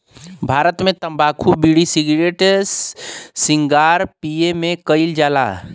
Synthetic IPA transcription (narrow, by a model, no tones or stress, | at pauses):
bʱaːɾət̪mẽt̪əmbaːkʰubiɽisiɡɾeʈssĩŋɡaːɾpijemẽkəɪld͡ʒaːla̰